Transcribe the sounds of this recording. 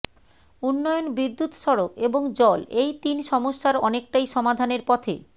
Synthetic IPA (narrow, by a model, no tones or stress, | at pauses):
unːɔjonbid̪ːut̪ʃɔɾokeboŋd͡ʑɔlejt̪inʃɔmoʃːaɾɔnek̚ʈajʃɔmad̪ʱaneɾpɔt̪ʰḛ